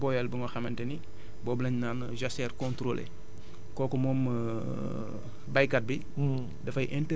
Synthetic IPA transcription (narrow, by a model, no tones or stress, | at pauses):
bɔjɛlbəŋɔxɐmɐntɛni | bɔːblɐɲnaːn | ʒasɛːrkɔ̃ntɾolʔḛ | kɔːkɔmɔːmː | bɐjkɐt̚bi | dɐfɐjʔɛntɛ